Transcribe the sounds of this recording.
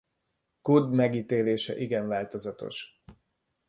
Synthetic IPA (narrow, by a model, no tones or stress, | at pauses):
kud̪mɛɡiːt̪eːleːʃɛ̰ʔiɡɛɱvaːlt̪o̞zɒt̪o̞̰ʃ